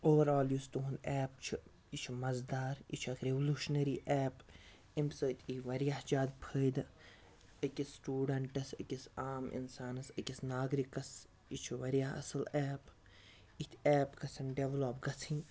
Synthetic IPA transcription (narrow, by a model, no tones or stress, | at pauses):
oːʋɐɾaːljuːst̪uɦunɛːpt͡ʃʰi | it͡ʃʰimɐzd̪aːɾḭt͡ʃʰɐkɾeʋluːʃnɐɾiːʔɛːp | imsət̪ʰʲiʋɐɾjahd͡ʒaːd̪pʰəːjd̪ | əkʲisːʈuːɖɐɳʈɐsɐ̰kʲisaːmḭnsaːnɐsɐkʲisnaːɡɾikːɐs | it͡ʃʰiʋɐɾijaɦɐ̰sɐlɛːp | it̪ʲʰɛːpkɐt͡sʰɐnɖeʋloːp̚ɡɐt͡sʰinʲ